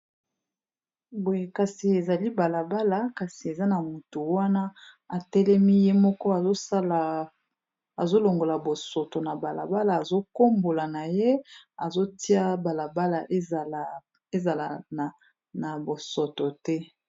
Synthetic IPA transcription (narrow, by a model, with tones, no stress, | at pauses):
bo˨je˨ka˨si˨e˨za˨li˦ba˨la˨ba˦la˨ka˨si˨e˨za˦na˨mu˨tu˨wa˦na˦ | a˨tɛ˦lɛ˦mi˦je˦mɔ˦kɔ˦a˨zo˦sa˦la˨ | a˨zo˦lo˨ŋɡo˨la˨bo˨so˨to˨na˨ba˨la̰˨ba˦la˨a˨zo˦ko˦mbo˨la˨na˨je˦a˨zo˦ti˦a˦ba˨la˨ba˦la˨ʔ | e˦za˨la˨a˨ | na˨bo˨so˨to˨tɛ˦